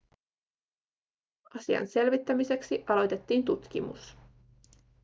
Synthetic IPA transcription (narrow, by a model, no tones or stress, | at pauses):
ʔɑsiɑ̰nse̞lʋit̪ːæmise̞ksiʔɑlo̞jt̪e̞t̪ːiːnt̪ut̪k̟ḭmṵs